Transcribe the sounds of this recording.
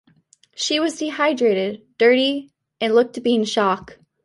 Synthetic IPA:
ʃiwʌzdihaɪdɹeɪɾɪd̚dɜ˞ɾi | ɨ̃nlʊk̚tʰɨb̥iɪ̃ŋʃɑk

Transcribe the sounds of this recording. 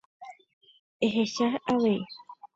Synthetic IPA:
eɦeʃahaʋee

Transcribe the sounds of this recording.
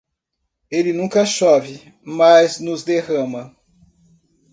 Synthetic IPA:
elɪnũkɐʃɔvɪ | mɐznʊzd̪eʁɐ̃mɐ

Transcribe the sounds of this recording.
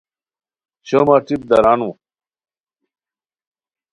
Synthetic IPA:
t͡ɕomaʈip̚d̪ɐɾaːnũ

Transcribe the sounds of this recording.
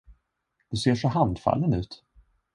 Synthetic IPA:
d̪̥ɵseːʂɔɦand̪fa̰lːənʉ̟ːt̪

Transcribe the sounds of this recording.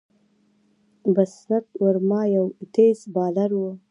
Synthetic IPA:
basnat̪wəɾmɑːjawt̪esbɑd̪aɾwə

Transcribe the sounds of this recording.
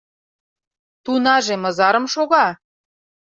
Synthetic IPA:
t̪unɑʒemɤ̆zɑɾɤ̆mʃoɣɑ

